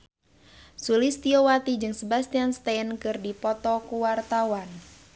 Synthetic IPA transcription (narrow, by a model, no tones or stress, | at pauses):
sulɪst̪iowat̪id͡ʒɨŋsəbast̪ianst̪aənkɨrdipɔt̪ɔkuwart̪awan